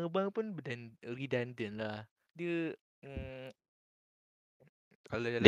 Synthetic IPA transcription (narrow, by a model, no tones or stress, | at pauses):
əbaŋpunbədanridandənlah | diə | kalod